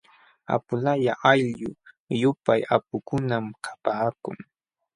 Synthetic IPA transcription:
a̰pʊlajaʔaʎʎʊ | jʊpajap̚ʊkʊnamkʰḁpaːkʊ̰ŋ

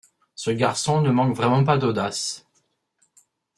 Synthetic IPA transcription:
səɡaʁsɔ̃nəmɑ̃kvʁɛmɑ̃pad̪od̪as

